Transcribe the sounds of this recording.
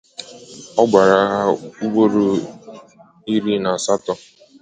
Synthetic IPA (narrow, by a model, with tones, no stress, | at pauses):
ɔ˦ɡ͡bʷa˨ɾa˨˦ɦa˦u˦ɡ͡bo˦ɾo˦ | i˦ɾi˦na˨sa˦tɔ˦